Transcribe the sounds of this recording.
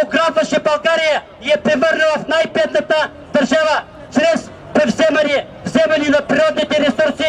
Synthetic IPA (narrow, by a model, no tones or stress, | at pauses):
oɡɾap̪vɐʃɛbɐlˠɡaɾijə | ijɐpɾɛvəɾnəvɐfnajpɛt̪nɐt̪ə | d̪ɐɾʒavə | t͡ʃɾɛs | pɾɛvzɛmɛni | vzɛmɛninɐpɾiɾɔd̪nit̪ɛɾɛsuɾsi